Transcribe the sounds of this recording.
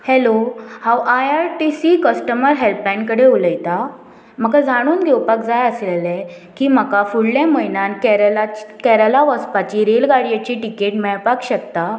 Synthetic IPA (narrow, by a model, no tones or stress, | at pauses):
hɛlohãwʔajaɾʈisikəsʈəməɾɦelpãnkəɽeuləjt̪a | m̤əkad͡zʱaɽ̃uːnɡʱewpakd͡zajəslelɛ | kiːm̤əkafuɽljaməjnankɾakɛɾəlaʋəspat͡ɕiːɾelɡaɽijat͡ɕiːʈikeʈmɛɭpakɕəkt̪a